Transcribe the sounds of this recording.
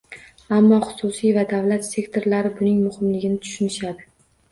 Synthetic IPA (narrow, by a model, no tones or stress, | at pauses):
amːɒχʊ̥sʊsijvad̪avlat̪se̞kt̪ʰo̞ɾlaɾɪbʊnɪŋmʊhɪmlɪɡʲɪnɪt̪ʰʊ̥ʃʊnɪʃad̪ɪ